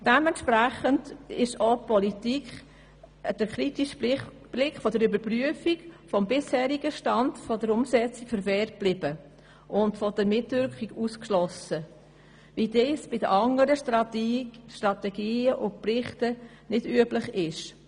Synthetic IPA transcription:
d̥ɛmɛntʃpɾæχəndɪʃopɔlitikχ | d̥əɾkɾitiʃ | b̥lɪkχfɔdəɾybəɾpryəfiɡfɔmbɪshɛːɾiɡəʃtɑndfɔdəɾʊmsɛt͡sikfəɾvɛːɾt̚b̥lɪb̥ə | ʔʊntfɔd̥əɾmɪtvʏɾkχiɡuskʃlɔsə | videːsb̥ɪdəʔɑŋəɾə | ʃtɾɑtɛɡiːəʔʊnprɪχtə | nɪdyəblɪχɪʃ

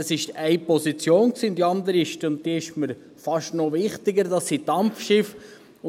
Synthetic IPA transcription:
əsɪʃɛɪpɔsit͡sjoːnksiːʊnd̥̪iɑnd̪əɾiɪʃtʊnt̚d̥iəɪʃməɾ | fɑʃtnɔʋɪχt̪ɪɡəɾdɑsːitɑmfʃɪf

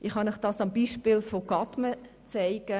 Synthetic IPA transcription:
ʔɪχhɑnəχd̥ɑːsɑmbiːʃpɪlfoɡ̥ɑtmə | t͡sɛɪɡ̥ə

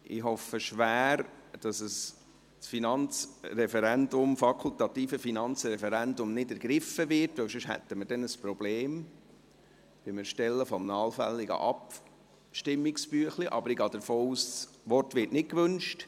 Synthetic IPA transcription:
ʔɪɦɔfəʃʋæːɾd̥ɑsəs | sfinɑnt͡sɾɛfɛɾændʊmfɑkʰult̪ɑt̪iːfəfinɑnt͡sɾɛfɛɾændʊmnɪdæɾɡɾɪfəvɪɾtʋəwsʊʃhɛ̰t̪ːəməɾdɛnəspɾɔb̥leːm | ʋɪmɪɾʃtɛlːəfɔmnɑːlfæ̰lːiɡə̰ʔɑp | ʃtɪmːiksb̥yəχliʔɑ̰bəɾɪɡɑːdəɾfoːuːss | ʋɔrtʋɪɾtnɪt̚kʋɵnʃt

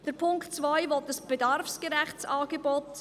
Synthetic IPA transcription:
d̥əɾpʰʊŋktt͡svaɪvɔt̚dəsb̥edɑɾrfskəɾæχt͡saːɡebɔt

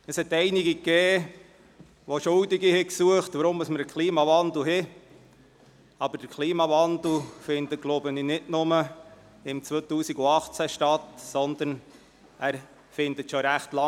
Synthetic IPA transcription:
əshɛt̪ɛɪnɪɡikːeː | ʋoʃʊldɪɡihɪksuəχt̪ʋəɾʊmːəsməɾəkʰχliːmɑʋɑnd̪l̩ɦɪ | ɑb̥əɾd̥əɾkʰliːmɑvɑnd̪l̩fɪnd̪ətɡ̥loʊbəninɪdnʊmə | ɪmt͡sʋoːt̪uːsiɡʊɑχt͡sæʃtɑt̪sɔnd̪ən | æːɾ | fɪnd̪ətʃɔɾæχt̪lɑ

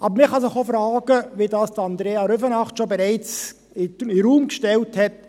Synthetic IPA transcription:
ʔɑbəɾmɪχɑsɪχofɾɑːɡəʋidɑːsd̥ɑnd̪ɾeːɑɾʏfənɑχtʃobɛɾɛɪt͡s | ɪɪɾuːmkʃtɛlthɛt

